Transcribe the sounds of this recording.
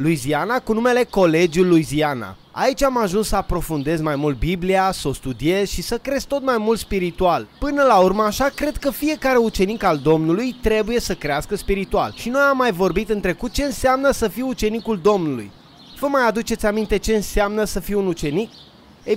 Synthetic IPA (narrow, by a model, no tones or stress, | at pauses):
lujzianakunume̞le̞ko̞le̞d͡ʒulːujziana̰ | a̰it͡ʃʲamaʒunsəapɾo̞fund̪e̞zmajmult̪̚bibliasəo̞st̪ud̪ie̞zʃisəkɾe̞zt̪o̞t̪majmult̪spiɾit̪ualpɨnəlaurməaʃakɾe̞d̪kəfie̞kaɾe̞ut͡ʃe̞nikald̪o̞mnulujt̪ɾe̞buje̞səkɾeaskəspiɾit̪ua̰lʃino̞jamːajvo̞rbit̪ɨnt̪ɾe̞kut̪̚t͡ʃe̞ɨnseamnəsəfijut͡ʃe̞nikuld̪o̞mnulṵj | v̥əmajad̪ut͡ʃe̞t̪sʲamint̪e̞t͡ʃe̞ɨnseamnəsəfijunut͡ʃe̞nik̚ | e